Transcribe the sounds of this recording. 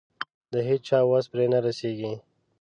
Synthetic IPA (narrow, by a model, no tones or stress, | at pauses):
d̪əɦet͡ʃt͡ʃɑwaz̚pɾenaɾaseɡi